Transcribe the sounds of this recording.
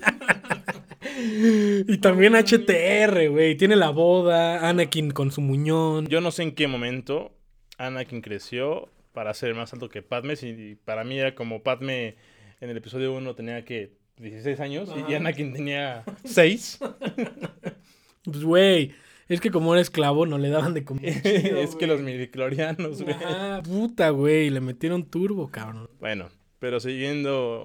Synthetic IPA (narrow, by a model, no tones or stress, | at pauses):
it̪ambje̞nat͡ʃe̞t̪eere̞we̞jt̪je̞ne̞laβo̞ðaanakinko̞nsumũɲonɟ͡ʝo̞no̞se̞ːŋke̞mõ̞mẽnt̪o̞ | anakiŋkɾe̞sjo̞ | paɾaseɾelmasalt̪o̞ke̞pat̪mesipaɾamieɾako̞mo̞pat̪me | enele̞piso̞ð̞jo̞uno̞t̪e̞niake | d̪jesisejsaɲo̞sianakint̪e̞niasejs | pezwej | e̞ske̞k̬o̞mo̞eɾaesklaβo̞no̞le̞ðaβand̪ekomeskelozmiβikloɾjanozɣweaput̪aɣwe̞jle̞me̞t̪je̞ɾo̞nt̪uɾβo̞kaβɾonbwḛno̰ | pe̞ɾo̞s̬iɣje̞nd̪o